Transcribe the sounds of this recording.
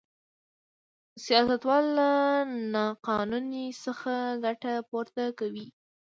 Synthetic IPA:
sijɑsat̪wɑlːanɑqɑnunisəxaɡaʈapoɾt̪akawi

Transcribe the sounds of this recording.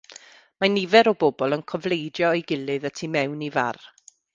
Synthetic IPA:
manɪvɛɾɔboːbɔlˠənkʰɔvlˠejdjɔiɡɪlˠɨðətʰimɛwniva̰r

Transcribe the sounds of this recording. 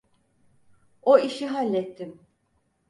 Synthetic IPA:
oiʃiɦalʲːɛt̪ʰːim

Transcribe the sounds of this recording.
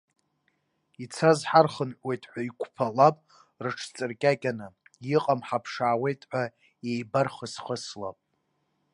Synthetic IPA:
it͡sʰazħarχənħwe̞jtʼħʷaikʷʰʼpʰalapʼ | rɨʈ͡ʂʰt͡sʼɨrkʲʼakʲʼanɨjiqʼamħapʰʂaːwe̞jtʼħʷᶣa | ejbarχəsχəslapʼ

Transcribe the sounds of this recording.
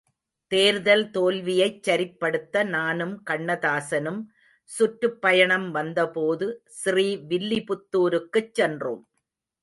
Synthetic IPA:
t̪eːɾðɐlt̪oːlʋɪjɐɪt͡ʃːɐɾɪpːɐɽɯt̪ːɐnaːnɯmkɐɳːɐðaːsɐnɯm | sʊʈɾɯpːɐjɐɳɐmʋɐnd̪ɐpoːðɯsriːʋɪlːɪpʊt̪ːuːɾɯkːɯt͡ʃːɛndro̰ːm

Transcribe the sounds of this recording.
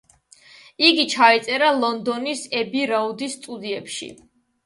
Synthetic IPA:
iɡit͡ʃʰait̪sʼɛɾalˠɔnd̪ɔnisɛbiɾaud̪isːt̪ʼud̪iɛpʃḭ

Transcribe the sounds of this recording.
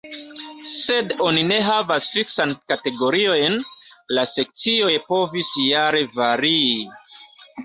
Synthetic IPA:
se̞do̞nine̞ɦavasfiksankate̞ɡo̞ɾio̞jn | lase̞k̚t͡sio̞jpo̞visjaɾe̞vaɾii

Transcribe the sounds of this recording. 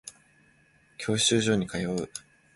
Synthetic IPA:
kʲʰo̞ːɕɕɨːʑo̞ːɲ̟ikajo̞ɯ

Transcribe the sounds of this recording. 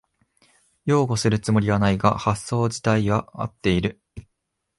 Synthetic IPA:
jo̞ːɡo̞sɨɾɯ̟t͡sɨmo̞ɾʲiɡanaiɡa̰hasːo̞ːʑi̥t̪aiβaa̰t̪ːe̞iɾɯ̟

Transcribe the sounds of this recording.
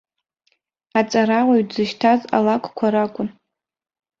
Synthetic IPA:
at͡sʼaɾawʷaɥdzɨʃtʰaza̰lakʷʰʼkʷʰaɾakʷʼʊn

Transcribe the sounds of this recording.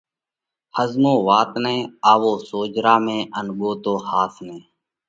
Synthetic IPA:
həzmõːʋaːt̪nẽːaːʋoːsoːd͡ʒɾaːmẽːʔənɠoːt̪oːhaːt̪ʰnẽː

